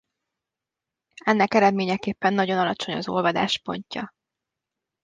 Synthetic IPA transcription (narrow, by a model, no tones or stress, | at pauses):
ɛnːɛkɛɾɛd̪meːɲɛkeːpːɛnːɒɟo̞nɒlɒt͡ʃo̞ɲɒ̰zo̞lvɒd̪a̰ːʃpo̞̰ɲcɒ